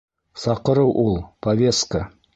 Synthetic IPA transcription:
sɑqəɾəwʔolˠpʰavʲe̞st̪kə

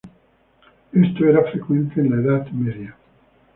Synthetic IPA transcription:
est̪oeɾafɾekwẽnt̪enlaeðat̪meðja

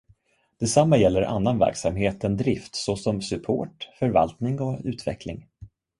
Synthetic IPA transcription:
d̪̥ɛsamːajɛlːəɾʔa̰nːanvæ̰ɾksamɦeːt̪ɛnd̪ɾɪft̪sɔsɔmsɵpʰo̰ːʈfœɾva̰lt̪nɪŋɔʉ̟ːt̪vɛ̰kʰlɪ̰ŋ

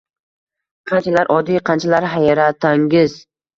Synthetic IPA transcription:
qʰɑnt͡ʃʰalaɾʔɒd̪ijqʰɑnt͡ʃʰalaɾɦajaɾat̪ʰaŋɡʲɪz

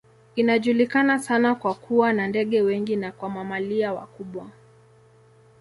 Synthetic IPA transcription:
inaʄulikanasanakwakʰuwanandɛɠɛwɛŋɡinakwamamaliawa̰kuɓwa

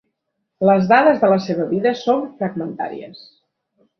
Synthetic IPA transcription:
ləzðaðəzðələseβəβiðəsoɱfɾəɡmənt̪a̰ɾḭə̰s

